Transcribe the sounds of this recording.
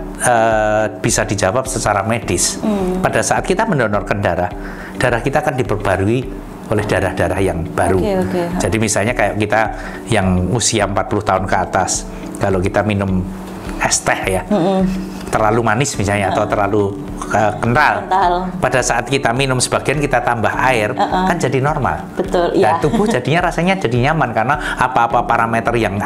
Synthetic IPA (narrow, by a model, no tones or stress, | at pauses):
əb̥isadid͡ʒawap̚sət͡ʃaɾamed̥ɪspadasaʔat̪kit̪aməndɔnɔrkəndaɾah | d̥aɾahkit̪aːkandipərb̥aɾui | olɛhd̥aɾahd̥aɾahjaŋb̥aɾud͡ʒadimisalɲakajaʔkit̪a | jaŋusiaəmpat̪̚pulʊht̪aʊnkəat̪as | kalokit̪aminʊm | ɛst̪ɛhja | t̪ərlalumanɪsmisalɲaːt̪awt̪ərlalu | əkənalalpadasaʔat̪̚kit̪aminʊmsəb̥aɡ̥iankit̪at̪ambahaɪrkand͡ʒadinɔrma̰lb̥ət̪ʊlɡat̪ub̥ʊhd͡ʒadi̤ɲaɾasaɲad͡ʒadiɲamankarnaapaːpapaɾamet̪ərjaŋ